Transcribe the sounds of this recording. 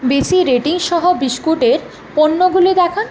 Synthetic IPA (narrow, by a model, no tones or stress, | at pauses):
beʃiɾeʈiŋʃɔɦobiʃkuʈeɾ | ponːoɡulid̪ɛkʰan